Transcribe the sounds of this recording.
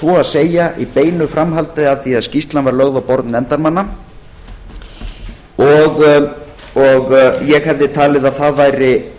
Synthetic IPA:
vɔaðseːjaʔipeːjnʏfɾamɦalt̪ɪaðθiaðscist̪lanvaɾlœɣðawpɔɾt̪nɛnt̪aɾmanːa | ɔɣ | ɔɣjɛɣhɛvðɪt̪ʰaːlɪðaðθaðvajɾɪ

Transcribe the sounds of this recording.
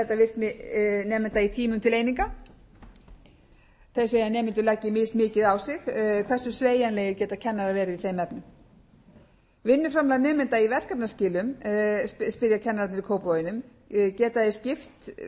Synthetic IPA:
θɛht̪ːavɪr̥knɪnɛːmɪnt̪ait̪ʰiːmʏmt̪ʰɪleːjniŋka | θe̥seːjanɛːmɪnt̪ʏlɛcːɪmɪsmɪːcɪðawsɪxkʰvɛr̥sʏ̥sveːjanleːjɪcɛːt̪acʰɛnːaɾavɛːɾɪvɪθejmɛpnʏm | vɪnːʏfɾamlanɛːmɪnt̪aivɛr̥kapnascɪːlʏm | spɪðjacʰɛnːaɾap̪̚nɪɾikʰoːwpɔjɪnʏm | cɛːt̪aðescɪft̪

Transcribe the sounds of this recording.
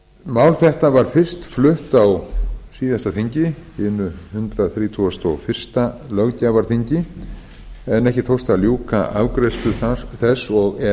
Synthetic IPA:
maːwlθɛht̪avaɾ̥fɪr̥st̪flʏht̪awsiːðast̪aθiɲcɪɪnːʏhʏnt̪ɾaθɾiːt̪ʰuast̪ɔɣfɪr̥st̪alœɣcavaɾ̥θiɲcɪ | ɛnɛhcɪt̪ʰowst̪aljuːka̰ʔavkɾɛst̪ʏθθɛsːɔɣɛ

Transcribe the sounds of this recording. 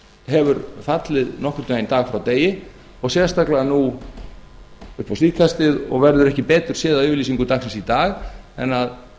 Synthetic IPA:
ɦɛvʏɾfat̪lɪðnɔhkʏɾt̪ʏejnt̪aːɣfɾawt̪eːjɪ | ɔɣsjɛ̥st̪aklɪanu | ʏhpawsviːkʰast̪ɪðɔ̰ɣvɛɾðʏɾɛhcɪpɛːt̪ʏɾ̥sɪːðaðʏːvʏɾlisiŋkʏt̪ʰaksɛnsit̪aːɣɛ̰nːað

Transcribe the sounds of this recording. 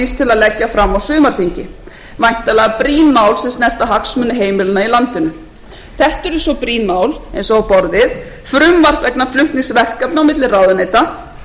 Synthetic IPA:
ist̪ʰɪlaðlɛcːafɾamːawsʏːmaɾ̥θiɲcɪ | vajn̥t̪alɛɣapɾiːnmaːwlsɛmsnɛr̥t̪aɦaksmʏnːɪɦeːjmɪlɪnːailant̪ɪnʏ | θɛht̪ɛɾsɔpɾiːnmaːwlɛjnsɔawpɔɾðɪð | fɾʏmvar̥kvɛknaflʏht̪niŋsvɛr̥kapnawmɪt̪lɪrawðʏnejt̪a

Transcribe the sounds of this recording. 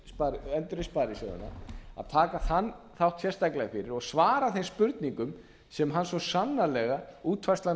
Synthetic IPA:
spaɾɛnt̪ʏɾɪspaːɾɪsœðʏ̰na̰a̰ðt̪ʰaːkaθanː | θawht̪sjɛrst̪ajklɛɣafɪɾɪɾɔɣsvaːɾaθejnspʏɾt̪niŋkʏm | sɛmɦanːsvɔsanːalɛɣauːt̪ʰvḁst̪la

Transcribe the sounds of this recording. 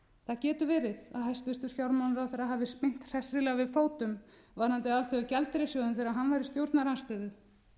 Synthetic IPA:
θaðcɛːt̪ʏvɛːɾɪðaðhɛst̪ʏst̪ʏɾ̥fjawɾmawnɾawθɛɾaɦavɪspɪn̥t̪r̥ɛsːɪlɛɣavɪðfoːwt̪ʏm | vaɾ̥hant̪ɪalθɛʏcɛlt̪ɾɪsjɔðʏmθeɛːɾaɦanvaɾɪst̪jowɾt̪naɾanst̪œːðʏ

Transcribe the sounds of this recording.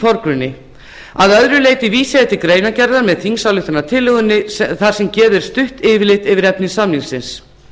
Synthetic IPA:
fɔɾkɾʏnːɪ | aðœðɾʏleːjt̪ɪviːsaɛht̪ɪkɾeːjnacɛɾðaɾmɛðθiŋsawlʏht̪anat̪ʰɪlːʏɣʏnːɪθaɾ̥sɛmcɛːðɪɾ̥st̪ʏht̪ɪːvɪlɪht̪ɪvɪɾɛpnɪsaminsɪns

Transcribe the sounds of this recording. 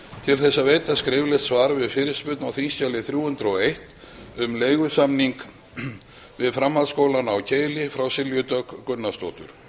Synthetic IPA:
t̪ʰɪlθɛsːaveːjt̪askɾɪːvlɛht̪svaːɾvɪðfɪɾɪ̥spʏt̪nawθinscalɪθɾjuːhʏnt̪ɾɔɣejht̪ | ʏmleːjɣʏsamniŋk | vɪðfɾamhaðskowlanawcʰeːjlɪfɾawsɪljʏt̪œkːʏnːast̪o̰ːt̪ʏ̰ɾ̥

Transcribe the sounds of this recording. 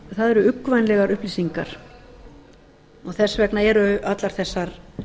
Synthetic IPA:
θaðɛɾʏʏkːvajnlɛɣaɾʏhpliːsiŋkaɾ̥ | ɔɣθɛsːvɛknaɛɾʏat̪laɾ̥θɛsːaɾ

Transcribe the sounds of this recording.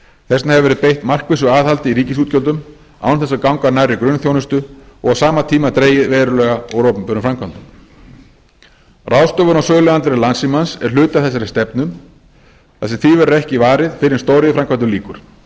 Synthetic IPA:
θɛsnahɛvɪvɛɾɪðpejht̪mar̥kvɪsʏaːðhalt̪ɪiɾiːcɪsuːt̪cœlt̪ʏm | a̰wnθɛsakawŋkaɾnajrːɪkɾʏnθjownʏst̪ʏɔ̰ɣawsaːmat̪ʰiːmat̪ɾeːjɪðvɛːɾʏlɛːɣaɔwɾɔːpʏmpʏɾʏmfɾamkʰvant̪ʏm | rawst̪ɔːvʏnawsœːɣlʏant̪ɾɛlansimansɛɾ̥lʏːt̪aθɛsːaɾɪst̪ɛpnʏm | θasɛmθivɛɾʏɾɛhcɪvaːɾɪðfɪɾɪɾ̥st̪oːwɾɪðɪfɾamkʰanʏmliːkʏɾ̥

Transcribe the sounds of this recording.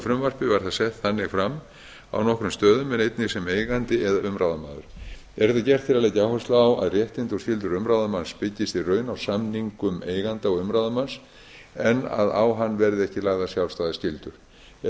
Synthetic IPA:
fɾʏmvar̥pɪvaɾ̥θasɛht̪θanːɪɣfɾamː | a̰wnɔhkɾʏmst̪œːðʏmɛnejt̪nɪɣsɛmeːjɣant̪ɪɛðaʏmɾawðama̰ːðʏ̰ɾ̥ɛɾɛt̪acɛr̥t̪fɪɾalejcawhɛst̪laːwa̰ðrjɛht̪ɪnt̪ɔscɪlt̪ʏɾʏmɾawðamanspɪcːɪst̪irœːɥnawsamniŋkʏmeːjɣant̪aɔɣʏmɾawðamans | ɛnːa̰ða̰wɦanːvɛɾðɪɛhcɪlaːɣðasjawlst̪aːðɪscɪlt̪ʏɾ̥

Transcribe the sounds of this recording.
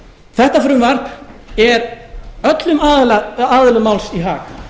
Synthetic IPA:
θɛht̪afɾʏmvar̥pɛɾœt̪lʏmaðlaaːðɪlʏmawlsiɦaːk

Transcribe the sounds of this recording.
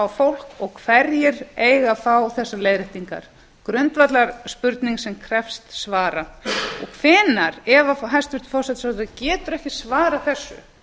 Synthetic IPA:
awfowl̥kɔɣkʰvɛɾjɪɾeːjɣafawθɛsːalejðɾɪht̪iŋka̰ɾ̥ | kɾʏnt̪vat̪laɾ̥spʏɾt̪niŋksɛmkʰɾɛfst̪svaːɾaɔ̰ɣkʰvɛːnaɾɛvaɦajst̪vɪ̥ɾ̥t̪fɔr̥sɛt̪sat̪ʏacɛːt̪ʏɾɛhcɪsvaːɾaθɛsːʏ̰

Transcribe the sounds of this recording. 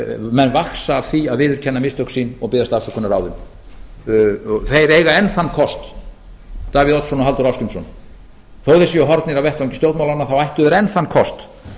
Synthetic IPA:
mɛnːvaksaːv̥θiaðvɪːðʏɾ̥cʰɛnːamɪst̪œhksiːnɔɣpɪːðast̪asakʰɔnːaɾaːwðʏm | θejɾejɣaɛnθanːkʰɔst̪ | t̪aːvɪðɔt̪sɔnɔɦalt̪ʏɾawskʏmsɔn | θowðɪsiɔɦɔɾt̪nɪɾawvɛht̪aɲcɪ̥st̪oːwt̪mawlanːaθawajht̪ʏðɛɾɛnθanːkʰɔst̪

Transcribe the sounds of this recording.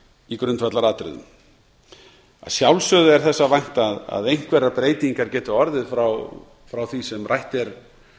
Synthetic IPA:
ikɾʏnt̪fvat̪laɾaːt̪ɾɪ̰ðʏ̰m | a̰ðsjawlsœðʏɛɾ̥θɛsːavajŋ̥t̪aða̰ðejŋ̥kʰvɛrːapɾeːjt̪iŋkaɾ̥cɛːt̪ʏɔɾðɪðfɾaw | fɾawθisɛmrʔajht̪ɛɾ̥

